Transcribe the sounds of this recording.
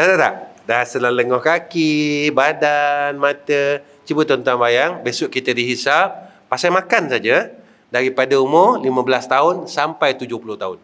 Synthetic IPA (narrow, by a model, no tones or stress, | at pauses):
t̪at̪at̪a̰ʔdasəlaləŋɔhkakibadanmat̪ə | t͡ʃibʊt̪ɔnt̪anbajaŋbesʊʔkit̪ədiɦisa | pasamakansad͡ʒa | daɾipadaumʊlimə̃bəlast̪aʊnsampajt̪ud͡ʒʊhpulʊht̪aʊn